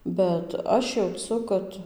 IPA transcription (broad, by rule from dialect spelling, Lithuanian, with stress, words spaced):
bʲɛt ˈɐʃ jɛʊˈt͡sʊ ˈkɐt